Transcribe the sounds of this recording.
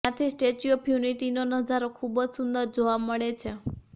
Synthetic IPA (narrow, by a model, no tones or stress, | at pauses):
ãt̪ʰisʈet͡ʃiopʰjuniʈinonəd͡ʒaɾokʰubəd͡ʒsʊnd̪əɾd͡ʒoʋaməɭet͡ʃʰe